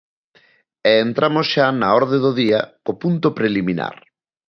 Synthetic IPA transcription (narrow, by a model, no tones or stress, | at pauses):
ɛent̪ɾamosʃanaɔɾðeðoðiɐkopunt̪opɾelimĩna̰ɾ